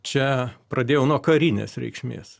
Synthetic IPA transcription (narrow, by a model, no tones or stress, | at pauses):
t͡ʃʲɛpɾɐd̪ʲeːjɛʊnuɔkɐɾʲinʲḛːsɾʲɛ̰ɪkʃʲmʲḛːs